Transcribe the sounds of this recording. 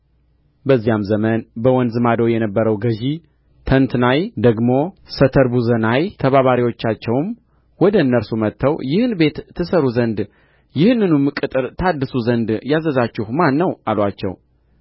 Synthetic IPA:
bəzːijamzəmənbəwɔnd̪zɨmad̪owjɛnəbːəɾəwɡəʒi | t̪ʰənt̪najd̪əɡmo̞sət̪ʰəɾbuzənajt̪ʰəβaβaɾiwo̞t͡ʃːat͡ʃːɛwm | wɔd̪əɨnːəɾsumət̪ʰːəwjɪhɨnbe̞t̪ʰːɨsəɾuzənd̪ | jɪhɨnːɨnumːɨkʼɨt̪ʼɨɾt̪ʰad̪ːɨsuzənd̪jazəzat͡ʃːɪhmanːəwalwat͡ʃːɛ̰w

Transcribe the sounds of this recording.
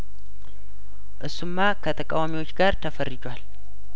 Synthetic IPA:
ʔɨsumːakʰət̪ʰəkʼawamiwo̞t͡ʃːɡaɾt̪ʰəfərːɨd͡ʒwal

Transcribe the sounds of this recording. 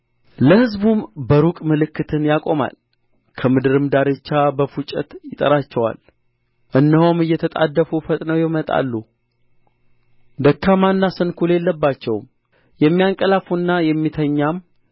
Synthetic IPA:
ləhɨzbumbəɾukʼmɨlɨkːɨt̪ʰɨnjakʼo̞ma̰l | kʰəmɨd̪ɨɾɨmd̪aɾet͡ʃːabəfut͡ʃʼɛt̪jɪt̪ʼə̰ɾat͡ʃːɛwa̰l | ʔɨnːəhomɨjːɛt̪ʰət̪ʼa̰d̪ːəfufət̪ʼnəwjɛmət̪ʼa̰lːu | d̪əkʰːamanːasɨnkʰule̞lːəbːat͡ʃːɛwm | jɛmːijaŋkʼəlafunːajɛmːit̪ʰəɲːam

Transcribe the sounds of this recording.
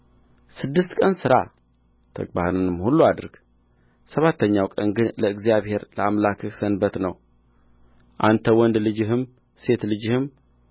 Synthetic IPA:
sɨd̪ːɨst̪kʼənsɨɾa̰ | t̪ʰə̰kʼbahnɨnɨmhulːuad̪ɨɾɡ̥ | səβat̪ʰːəɲːawkʼənɡɨnləɨɡzijaβhe̞ɾləamlakʰɨksənbət̪nəw | ʔant̪ʰəwɔnd̪lɨd͡ʒɪɦɨm | se̞t̪lɨd͡ʒɨhɨm

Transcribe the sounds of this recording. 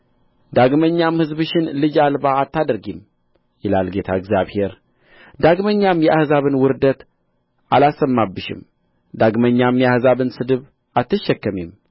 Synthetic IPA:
d̪aɡməɲːamhɨzbɨʃɪnlɨd͡ʒalbaːt̪ʰːad̪əɾɡim | jɪlalɡe̞t̪ʰaəɡzjaβhe̞ɾ | d̪aɡməɲːamjɛʔahzaβɨnwʊɾd̪ət̪ | ʔalasːəmːabːɨʃɪ̰m | d̪aɡməɲːamjɛahzaβɨnsɨd̪ɨβ | ʔat̪ːɨʃːɛkːəmem

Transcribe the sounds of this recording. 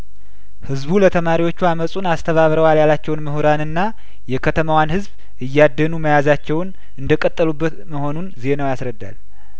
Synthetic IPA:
hɨzβulət̪ʰəmaɾiwo̞t͡ʃːuaməsʼunast̪ʰəβaβɾəwaljalat͡ʃːɛwnməhuɾanɨnːa | jɛkʰət̪ʰəmawanhɨzb | ɨjːad̪ːənuməjazat͡ʃːɛwn | ɨnd̪əkʼət̪ʼːəlubːət̪məho̞nunzihenəwjasɾəd̪ːa̰l

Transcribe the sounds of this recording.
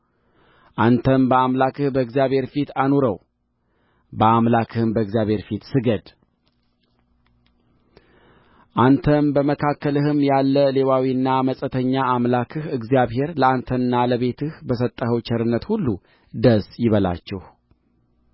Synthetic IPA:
ʔant̪ʰənbəamlakʰɨhbəɨɡzjaβhe̞ɾfit̪anoɾəw | bəamlakʰɨhɨmbəɨɡzjaβhe̞ɾfit̪sɨɡəd̪ | ʔant̪ʰənbəməkʰakːəlɨhɨmjalːəle̞wawiɨnːaməsʼət̪ʰəɲːaːmlakʰɨhɨɡzjaβhe̞ɾləant̪ʰənɨnːaləβe̞t̪ʰɨhbəsət̪ʼːəhəwt͡ʃʰɛɾɨnːət̪hulːu | d̪əsjɪβəla̰t͡ʃːɛh

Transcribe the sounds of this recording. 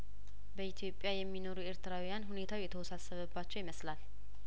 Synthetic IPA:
bəit̪ʰijo̞pʼːjajɛmːino̞ɾueɾt̪ɨɾawijanɦune̞t̪ʰawjɛt̪ʰəwɔsasːəβəbːat͡ʃːɛwjɪməslal

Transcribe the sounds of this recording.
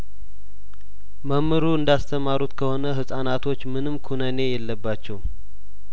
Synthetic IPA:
məmːɨɾuɨnd̪ast̪ʰəmaɾut̪kʰəho̞nəɦɨsʼanat̪ʰo̞t͡ʃːmɨnɨmkʰunəne̞jɛlːəbːat͡ʃːɛw

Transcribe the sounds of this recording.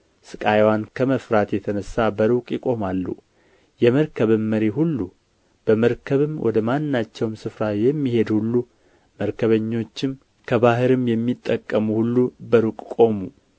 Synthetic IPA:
sɨkʼajwankʰəməfɾat̪jɛt̪ʰənəsːabəɾukʼjɪkʼo̞malːṵ | jɛməɾkʰəβɨmːəɾiɦulːu | b̥əməɾkʰəβɨmwɔ̰d̪əmanːat͡ʃːɛwmsɨfɾajɛmːihe̞d̪hulːu | məɾkʰəβəɲːo̞t͡ʃːɪm | kʰəβaɦɨɾɨmjɛmːit̪ʼːəkʼːəmuhulːubəɾukʼkʼo̞mu

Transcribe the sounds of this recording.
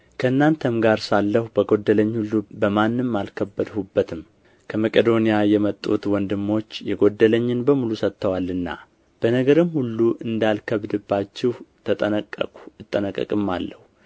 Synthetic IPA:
kʰəɨnːant̪ʰəmɡaɾsalːəhubəɡo̞d̪ːələɲːhulːubəmanːɨmːalkʰəbːəd̪hubːət̪ʰɨm | kʰəməkʼed̪o̞nijajɛmət̪ʼːṵt̪wɔnd̪ɨmːo̞t͡ʃːjɛɡo̞d̪ːələɲːɪnbəmulusət̪ːəwalːɨnːa̰ | b̥ənəɡəɾɨmhulːuʔɨnd̪alkʰəβd̪ɨbːat͡ʃːɪht̪ʰət̪ʼəəkʼːəkʼu̥ɨt̪ʼːənəkʼːə̰kʼɨmːa̰lːəhu

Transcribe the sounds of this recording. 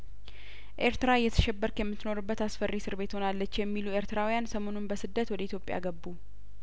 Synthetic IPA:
ʔe̞ɾt̪ɨɾaɨjːɛt̪ʰə̥ʃɛbːəɾkjɛmːɨt̪ːno̞ɾɨbːət̪asfərːisɨɾbe̞t̪ho̞nalːət͡ʃːjɛmːilue̞ɾt̪ɨɾawijansəmo̞nunbəsɨd̪ːət̪wɔd̪əit̪ʰjo̞pʼja̰ɡəbːu

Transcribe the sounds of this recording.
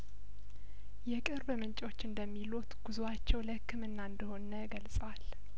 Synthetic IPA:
jɛkʼɨɾbmɨnt͡ʃʼo̞t͡ʃːɨnd̪əmːilut̪ɡ̥uzuat͡ʃːɛwləhɨkʰːɨmɨnːand̪əho̞nəɡəlsʼwal

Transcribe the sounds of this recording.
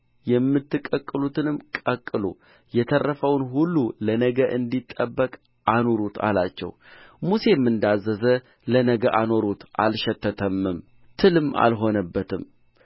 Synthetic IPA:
jɛmːɨt̪ːɨkʼːəkʼːɨlut̪ʰɨnɨmkʼəkʼːɨlo̰ | jɛt̪ʰərːəfəwnɦulːulənəɡəʔɨnd̪it̪ʼːəbːəkʼ | ʔano̞ɾut̪ʰa̰lat͡ʃːɛ̰w | muse̞mːɨnd̪azːəzə | lənəɡəʔano̞ɾut̪ʔalʃɛt̪ʰːət̪ʰəmːɨm | t̪ʰɨlɨmːa̰lɦo̞nəbːət̪ʰɨm

